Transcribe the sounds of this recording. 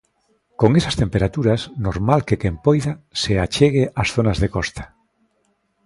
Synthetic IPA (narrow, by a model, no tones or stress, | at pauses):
koŋesast̪empeɾat̪uɾasnoɾmalkekempojðaseat͡ʃeɣ̞eʔasθonazðekɔst̪ḁ